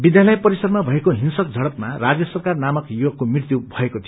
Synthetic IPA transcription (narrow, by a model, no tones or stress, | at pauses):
bid̪jalʌjpʌɾisʌrmabʱʌekoɦinsʌk̚d͡zʱʌɽʌpmarad͡zjʌsʌrkarnamʌkjoɡ̚komrirt̪jubʱʌekot̪ʰijo